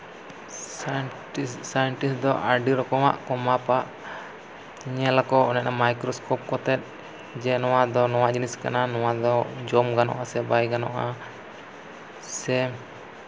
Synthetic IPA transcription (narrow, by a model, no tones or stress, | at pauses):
issajɛɳʈisd̪ɔʔaɖiɾɔkɔwa̰ʔkɔmapaʔ | iɲɛlakɔʔɔnɛʔnamajkɾɔskɔp̚kɔt̪ɛt̪̚ˀ | d͡ʒɛnɔwad̪ɔnɔwaʔd͡ʒiniska̰nanɔwad̪ɔd͡ʒɔmɡanɔ̰ʔasɛbajɡanɔ̰ʔa | sɛ